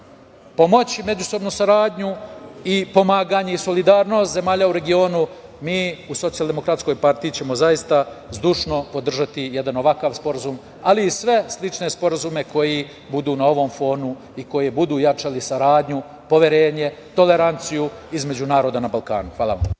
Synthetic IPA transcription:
po̞mo̞t͡ɕme̞d͡ʑuso̞bnusaɾaːd̪ɲuipo̞maːɡaɲeiso̞lid̪aːɾno̞st̪ze̞maːʎauɾe̞ɡio̞ːnu | miːuso̞t̪sijalˠd̪emo̞kɾat̪sko̞jpaɾt̪iːt͡ɕe̞mo̞zajist̪azd̪uʂno̞po̞d̪r̩ʒat̪ijed̪ano̞ʋakaʋspo̞ɾazum | aliːsʋe̞slˠit͡ʂne̞spo̞ɾazume̞ko̞ji | bud̪uːnao̞ʋo̞mfo̞ːnu | iko̞jebud̪uːjat͡ʂalisaɾaːd̪ɲu | po̞ʋje̞ɾe̞ːɲe̞t̪o̞le̞ɾant̪sijuizme̞d͡ʑunaːɾo̞ːd̪anabalˠka̰ːnuxʋaːlˠa̰ʋa̰m

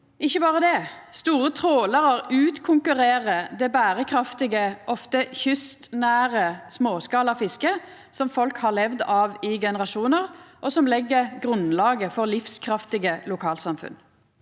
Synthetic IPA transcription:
ɪçːəbɑːʁəd̪ɛ | st̪uːʁət̪ʰʁoːləʁəʁʉːt̪kʰʊŋkʉʁeːʁəd̪ɛbæːʁəkʰʁɑft̪ɪɡəʔɔft̪əçʏst̪næːʁəsmoːskɑːlɑfɪskə | sɔmfɔlkhɑʁlɛʋd̪ɑːʋɪɡɛnəʁɑʃuːnəʁʔɔsɔmlɛɡːəʁɡʁʉnlɑːɡəfɔʁlɪfskʰʁɑft̪ɪɡəlʊkʰɑːlsɑmfʉ̰n

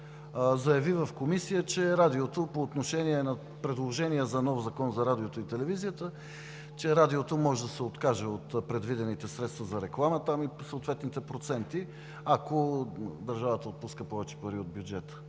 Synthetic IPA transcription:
zɐjɐvivɐfkomisijət͡ʃɛɾad̪iot̪opoːt̪noʃɛniɛnɐ | pɾɛd̪lˠoʒɛniɛzɐnɔfzɐkɔnzɐɾad̪iot̪oit̪ɛlɛvizijət̪ə | t͡ʃɛɾad̪iot̪omɔʒɛd̪ɐsɛot̪kaʒɛot̪pɾɛd̪vid̪ɛnit̪ɛsɾɛt̪st̪vɐzɐɾɛklˠamət̪amisəot̪vɛt̪nit̪ɛpɾot̪sɛnt̪i | ɐkod̪ɐɾʒavət̪əot̪̚puskəpɔvɛt͡ʃɛ̥pɐɾiod̪bʲjʊd͡ʒɛt̪ə̥

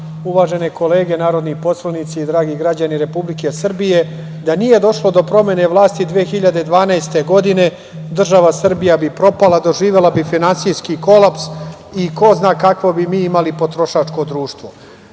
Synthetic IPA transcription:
uʋaːʒe̞neko̞le̞ːɡe̞naːɾo̞d̪nipo̞slˠanit̪siid̪ɾaːɡiɡɾad͡ʑaniɾe̞publike̞sr̩bije̞ | d̪anije̞d̪o̞ʃlˠo̞d̪o̞pɾo̞me̞ne̞ʋlˠaːst̪id̪ʋeexiʎad̪ed̪ʋaːnaest̪e̞ɡo̞d̪ine̞ | d̪r̩ʒaʋasr̩bijabipɾo̞palad̪o̞ʒiːʋelabifinansijskiko̞laps | iko̞znaːkakʋobimiːimalipo̞t̪ɾo̞ʃat͡ʂko̞d̪ɾuːʃt̪ʋo̞

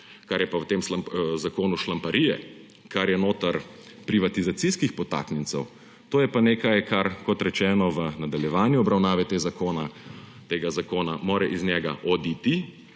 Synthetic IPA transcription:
kaɾjɛpawt̪eːmʃlazakoːnuʃlampɐɾijɛ̰ | kaɾjɛnoːt̪ɐɾ | pɾiʋat̪izat̪siskixpɔt̪a̰ːknɛnt̪sɛw | t̪oːjɛpaneːkajkʰaɾkɔt̪ɾɛt͡ʃɛːnɔʋənad̪aljɛʋaːnjuɔbɾawnaːʋɛt̪eːzakoːna | t̪eːɡazakoːnamoːɾɛʔiznɛɡaʔɔd̪it̪i

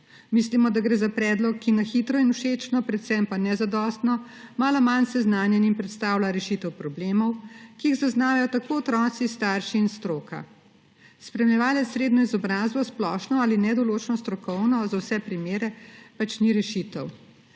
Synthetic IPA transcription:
mislimɔd̪aɡɾeːzapɾɛːd̪lɔkʰːinaxit̪ɾɔinuʃeːt͡ʃnɔpɾɛt̪sɛmpanɛzad̪ɔːst̪nɔ | maːlɔmansɛznaːnjɛnimpɾɛt̪st̪aːwlaɾɛʃit̪ɛwpɾɔbleːmɔwkiiɣzaznaːʋajɔt̪akoːɔt̪ɾɔːt̪sist̪aːɾʃiːnst̪ɾoːkʰa̰ | spɾɛmlɛʋaːlɛt̪sːɾeːd̪nɔizɔbɾaːzbɔsplɔʃnɔaːlinɛd̪ɔloːt͡ʃnɔst̪ɾɔkɔwnɔzawsɛpɾimeːɾɛpat͡ʃniɾɛʃit̪ɛw

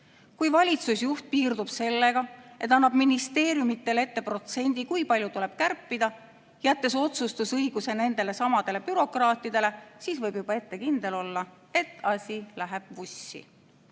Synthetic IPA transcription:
kujvɑlʲit̪susjuht̪̚piːrd̪̥ub̥se̞lːe̞ɡ̥ɑe̞t̪ːˑɑnːɑb̥minist̪e̞ːɾjumit̪ːe̞le̞t̪ːe̞pro̞t̪se̞nʲd̪̥ikujpɑljut̪ule̞b̥kærpːid̪̥ɑ | jæt̪ːe̞so̞t̪sust̪usɤjɡ̥use̞ne̞nd̪̥e̞le̞sɑmɑd̪̥e̞le̞pyɾo̞krɑːt̪ːˑid̪̥e̞le̞siːsvɤjbjub̥ɑe̞t̪ːe̞kind̪̥e̞lo̞lːɑ | e̞t̪ːˑɑsʲilæɦe̞b̥vusːḭ

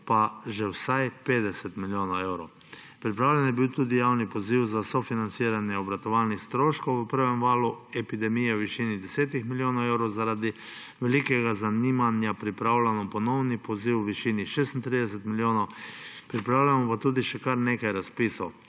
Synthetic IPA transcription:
paʒɛwsajpeːd̪ɛsɛt̪miljoːnaɛwɾow | pɾipɾaːwlɛnjɛbiwt̪ud̪ijawnipɔziwzasɔfinansiːɾanjɛɔbɾat̪ɔʋalnixst̪ɾoːʃkowəpəɾʋɛmʋaːluɛpid̪ɛmijɛwʋiʃinid̪ɛseːt̪ixmiljoːnaɛwɾowzaɾad̪i | ʋɛlikɛɡazaniːmanjapɾipɾawlanɔpɔnɔwnipɔziwʋiʃiːniʃeːst̪nt̪ɾid̪ɛs̬ɛt̪miljoːnopɾipɾaːwlʲamɔpat̪uːd̪iʃɛkaɾneːkajɾaspiːsow

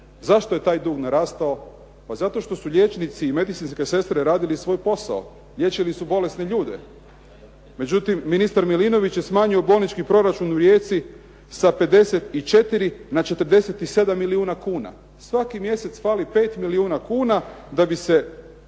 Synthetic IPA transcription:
zaʃt̪o̞je̞t̪aːjd̪uːɡnaɾaːst̪ao̞ | pazat̪o̞ʃt̪o̞suʎje̞t͡ʃnit̪siːme̞d̪it̪sinske̞se̞st̪ɾeɾaːd̪ilisʋo̞jpo̞sa̰o | ʎʲje̞t͡ʃilisubo̞le̞sneʎuːd̪e̞ | me̞d͡ʒut̪imːinist̪aɾmilino̞ʋit͡ɕjesmaːɲio̞bo̞ːlnit͡ʃkipɾo̞ɾat͡ʃunuɾje̞ːt̪si | sape̞d̪e̞se̞t̪it͡ʃe̞t̪iɾinat͡ʃe̞t̪ɾd̪e̞se̞t̪ise̞d̪amːiliuːnakuːna̰ | sʋakimje̞se̞t̪sfaːlipe̞ːt̪miliuːnakuːnad̪abise̞

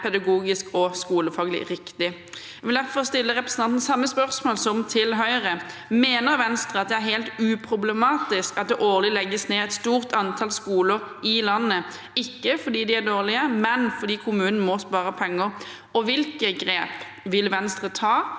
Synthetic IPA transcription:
pʰɛd̪ɑɡuːɡɪskɔskuːləfɑːɡəlɪ̰ɾɪkt̪ɪ | jʋɪld̪æʁfɔʁst̪ɪlːəʁɛpɾəsən̩ɑnn̩sɑmːəspœʁsmoːlsɔmt̪ʰɪlɦœʏəʁəmeːnəʁʋɛnst̪ʁəɑt̪̚d̪ɛæɾɦɛɪlt̪ʉːpʰɾʊblɛmɑːt̪ɪskɑt̪̚d̪ɛːʔoːʁlɪlɛɡːəsneːæɛt̪st̪uːʁt̪ʰɑnt̪ʰɑlskuːləɾɪlɑnːə | ɪkːəfɔʁd̪iːd̪ɪæʁd̪oːʁlɪəmɛnfɔd̪iːkʰʊmʉːnn̩mɔspɑːʁəpʰɛŋːəʁ | ɔʋɪlkəɡʁeːp | ʋɪlʋɛnst̪ʁət̪ʰɑː

